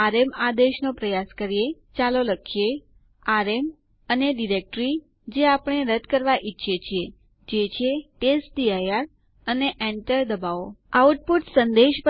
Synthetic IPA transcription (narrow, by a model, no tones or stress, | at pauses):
aɾemad̪eʃnõpɾəjaskəɾije | t͡ʃaloləkʰje | aɾem | əneɖiɾek̚ʈɾi | d͡ʒeapəɳ̃eɾəd̪kəɾʋaʔitːʃʰet͡ʃʰije | d͡ʒet͡ʃʰeʈesʈɖiajaɾ | əneʔɛɳʈəɾd̪əbaʋoauʈ̚puʈ̪sənd̪eʃp